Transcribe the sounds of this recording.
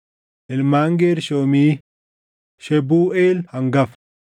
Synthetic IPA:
ʔɪlmaːŋɡeːɾʃoːmiː | ʃɛbuːʔeːlhɐŋɡɐf

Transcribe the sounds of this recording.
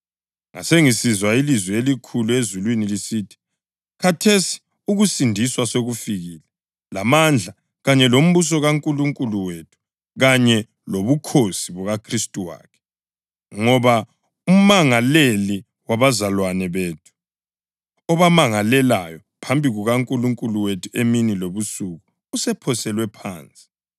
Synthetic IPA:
ŋa̰seŋisizwailizwɛelikʰuluezulwinilisiːtʰi̥ | kʰatʰesi̥ | uɣusindʱiswasoɣufiɣiːlɛ | lamand͡ɮʱa | ɣaɲɛlom̩βus̬ɔɣaŋkʼuluŋkʼuluwetʰu̥ | ɣaɲɛ | loβukʰosiβɔɣakʰristʼuwa̰ːkʰɛ̥ | ŋɔβa | um̩maŋaleli | waβazalwanɛβeːtʰu̥ | ɔβamaŋalɛlajɔ | pʰambʱiɣuɣaŋkʼuluŋkʼuluwetʰueminiloβusuɣu | usɛpʰɔsɛlwɛpʰa̰ːnt͡sʼi̥

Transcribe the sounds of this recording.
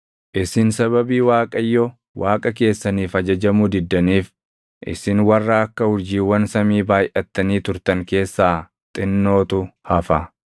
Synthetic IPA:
ʔɪsɪnsɐβɐbiːwaːkʼɐjːɔ | wʔaːkʼɐke̞ːsːɐniːfɐd͡ʒɐd͡ʒɐmʊd̪ɪd̪ːɐniːf | ʔɪ̰sɪnwɐrːɐɐkːɐhʊɾd͡ʒiːwːɐnsɐmiːbaːjʔɐt̪ːɐniːt̪ʊɾt̪ɐŋke̞ːsːaː | t̪ʼɪnːo̞ːt̪ʊhɐfɐ

